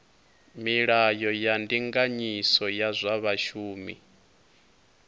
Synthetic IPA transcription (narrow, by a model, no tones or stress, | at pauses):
miɺajɔjandiŋɡaɲisɔjazʷaβaʃuːmḭ